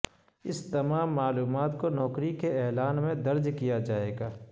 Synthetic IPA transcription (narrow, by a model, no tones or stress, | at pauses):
ɪst̪ɐmaːmːaːluːmaːt̪konɔːkɾikeɛːlaːnmẽd̪ɐɾd͡ʒkijad͡ʒaːeːɡaː